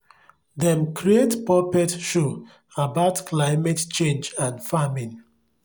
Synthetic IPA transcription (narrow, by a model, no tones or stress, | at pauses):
dɛ̃mkɾietpɔpɛtʃo | abaʊtklaɪmɛtt͡ʃẽnd͡ʒãnfamĩn